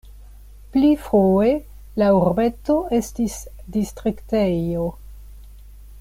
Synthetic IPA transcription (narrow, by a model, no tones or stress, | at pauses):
plifoe̞ | lauɾbe̞toestis | distɾiktejo